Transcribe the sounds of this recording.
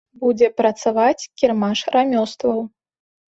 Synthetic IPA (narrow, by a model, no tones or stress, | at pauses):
bud͡zʲɛpɾɐt̪savat͡sʲkʲɛrmaʂɾamʲɔst̪vɐw